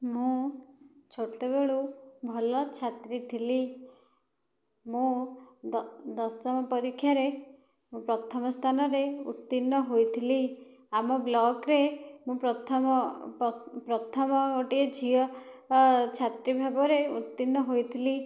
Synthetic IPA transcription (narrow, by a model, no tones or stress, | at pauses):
mũ | t͡ʃʰoʈebeɭubʱɔlɔt͡ʃʰat̪ɾit̪ʰili | mũ | d̪ɔsɔmɔpɔɾikʰːjaɾe | mũpɾɔt̪ʰɔmɔst̪ʰanɔɾeṵt̪ːinːɔɦojt̪ʰili | amɔblɔɡɾemũpɾɔt̪ʰɔm | pɾɔt̪ʰɔmɔkɔʈied͡ʒʰʱiɔ | t͡ʃʰat̪ɾibʱabɔɾeut̪ːinːɔɦojt̪ʰili